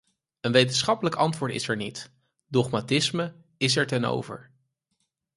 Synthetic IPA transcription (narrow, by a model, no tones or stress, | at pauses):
ənʋejtənsχɑpələkɑntʋʊːɹtɪ̰sɛɹnit | dɔχmatɪsmə | ɪs̬ɛɹtɛno̰wvə̰ɹ